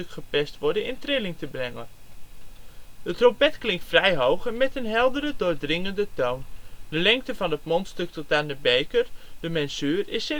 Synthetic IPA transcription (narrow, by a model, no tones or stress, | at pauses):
økχəpɛstʋɔɹdənɪntrɪlɪŋtəbrɛŋə | dətrompɛtklɪŋktfrɛjɦowxɛnmɛtənɦɛlˠdərədʊːrdrɪŋəndətowndəlɛŋk̚təvɑnətmontstøk̚tɔt̚andəbejkərd̥əmɛnsyːrɪsɪ